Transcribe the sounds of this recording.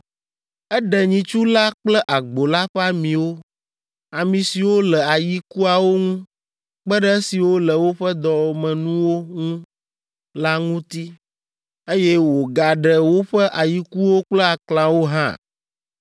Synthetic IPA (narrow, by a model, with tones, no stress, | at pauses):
ɛ˦ɖɛ˨ɲĩ˨t͡ʃu˦la˦k͡plɛ˦ʔa˨ɡ͡bo˨la˦ɸɛ˦a˦mĩ˨wo˦ | a˨mĩ˨si˨wo˦lɛ˨a˨ji˦ku˦a˨wo˦ŋũ˦ | k͡pə˦ɖɛ˦si˨wo˦lə˨wo˦ɸɛ˦d̪ɔ˨mɛ̃˨nũ˦wo˦ŋũ˦ | la˦ŋũ˦t̪i˦ | e˦jɛ˦wo˨ɡa˨ɖɛ˨wo˦ɸɛ˦ʔa˨ji˦ku˦wo˦k͡plɛ˦a˨klã˨wo˦ɦã̰˦